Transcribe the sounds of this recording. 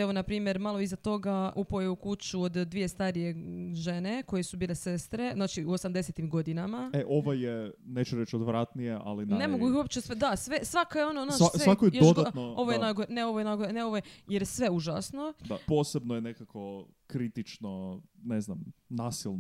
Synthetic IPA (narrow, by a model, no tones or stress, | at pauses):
eʋo̞napɾiːmjeɾmalˠoizat̪o̞ɡaʔupojeukut͡ʃuod̪d̪ːʋije̞st̪aɾije̞ʒe̞ne̞ko̞jesubiːle̞se̞st̪ɾe̞znaːt͡ʃiuosamd̪eset̪imɡo̞d̪inamaeʔoʋajeneːt͡ʃuɾet͡ʃod̪ʋɾat̪nijeʔa̰linnnemoɡuixuop̚t͡ʃesʋed̪asʋesʋakajeo̞nonoassakojejod̪anoo̞ʋojenajɡoɾneo̞ʋoenajɡoɾeneo̞ʋojejeɾjsʋe̞uʒasno̞d̪a̰po̞ːsebnojenekako̞ | kɾit̪it͡ʃnoneznamnaːsilˠn